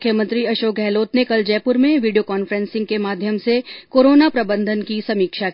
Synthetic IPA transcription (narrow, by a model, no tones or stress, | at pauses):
kʰːjəmə̃nt̪ɾiɐʃoːk̚ɡʱɛːloːt̪nekɐld͡ʒɛːpʊɾmẽʋiːɖiokaːnfəɾɛ̃nsɪ̃ŋɡkemaːd̪ʱjəmsekoːɾoːnapɾɐbə̃nd̪ʱənkisɐmiːkʃa